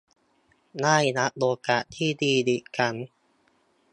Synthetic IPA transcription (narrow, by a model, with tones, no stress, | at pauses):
naː˥˩jna˦˥ʔ̚loː˧ka˨˩ʔt̪ʰiː˥˩diː˧di˨˩ka˧˩n